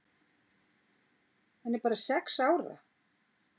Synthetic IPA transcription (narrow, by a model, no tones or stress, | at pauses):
hanːɛɾpaːɾasɛksaːwɾa̰